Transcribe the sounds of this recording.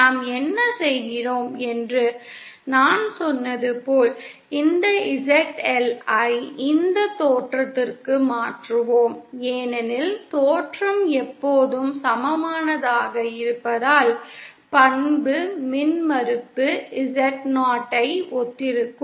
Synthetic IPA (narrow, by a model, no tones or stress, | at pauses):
naːmɛnːɐsɛjɣɪroːmɛndrɯnaːnsɔnːɐðɯpoːl | ɪnd̪ɐɪsɛʈɛlɐɪɪnd̪ɐt̪ːoːʈrɐt̪ːɪrkɯmaːʈrɯʋoːmeːnɛnɪlt̪oːʈrɐmɛpːoːðɯmsɐmɐmaːnɐðaːɣɐɪɾɯpːɐðaːl | pɐnbɯmɪnmɐɾɯpːɯɪsɛʈnaːʈːɐɪɔt̪ːɪɾɯkːɯ